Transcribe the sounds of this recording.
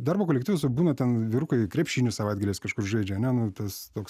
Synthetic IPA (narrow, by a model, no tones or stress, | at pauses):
d̪ɑrbokoːlʲɛktʲiːʋʲɛsbuːnɐt̪ʲɛnʋʲɪɾʊkɐɪkɾʲɛpʲʃʲiːnʲʊsɐʋɐɪd̪ɡɐlʲeːskɐʃkʊrʒɐɪd͡ʒʲɛɐnʲɛnʊt̪ɐst̪oːks